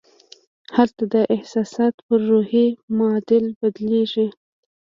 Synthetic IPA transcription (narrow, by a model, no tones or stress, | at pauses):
halt̪ad̪əʔɪhsɑsɑt̪pəɾːohemʊɑd̪ɪlbad̪leʒi